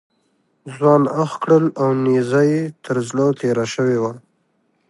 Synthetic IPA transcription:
zwɑnaxkɽəlawnizajet̪ʰəɾzlot̪eɾaʃəwewa

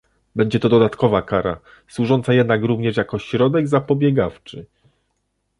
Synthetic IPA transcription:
bɛɲd͡ʑɛt̪ɔd̪ɔd̪at̪kɔvakaɾa̰ | swuʐɔnt̪sajɛd̪nakɾuvɲɛʂjakɔɕɾɔd̪ɛɡzapɔbʲjɛɡaft͡ʂɘ

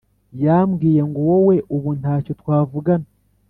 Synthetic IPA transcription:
jaːmɡiːjeŋɡowowe̞ʔoβuntaːcotwaːvuɡana

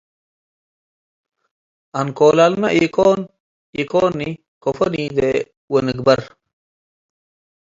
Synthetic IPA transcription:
ɐnkoːlalmɐʔiːkoːn | ikoːnːi | kofɐniːd̪e | weniɡbɐɾ

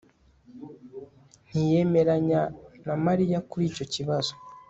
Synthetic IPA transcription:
n̥ije̞me̞ɾaɲanamaɾijakuɾiːco̞ciβazo̥

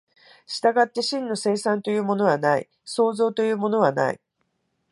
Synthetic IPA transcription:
ɕi̥t̪aɡat̪ːe̞ɕĩnːo̞se̞ːsãnt̪o̞jɯ̟ːmo̞no̞βanaḭ | so̞ːzo̞ːt̪o̞jɯ̟ːmo̞no̞βana̰ḭ

